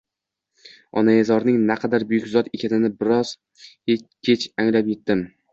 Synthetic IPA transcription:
ɒnajezɒɾnɪŋnaqʰɑd̪aɾbʊjʊkʲzɒt̪ekʲʰanɪnɪbɪɾɒz̥ | ekʲʰet͡ʃaŋlapje̞t̪ːɪm

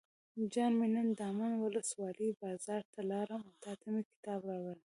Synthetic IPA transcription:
d͡ʒɑnmenənd̪amanwʊləswɑləbɑzɑɾt̪ʰalɑɾəmawt̪ɑt̪amekɪ̥t̪ɑbɾɑwələm

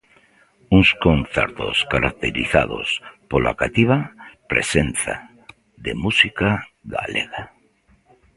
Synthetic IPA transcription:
uŋskonθḛɾt̪o̰skaɾak̚t̪eɾiθa̰ðo̰spola̰kat̪iβapɾesenθa | ðemusika | ɣa̰leɣa

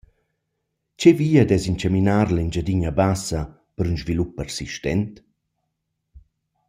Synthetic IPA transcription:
t͡ʃeviːad̪ɛzint͡ʃaminaːɾlaind͡ʒad̪iɲabasa | pəɾynʒvilupːərsiʃtɛnt̪

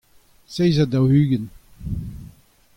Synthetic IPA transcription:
sejzadawhyːɡən

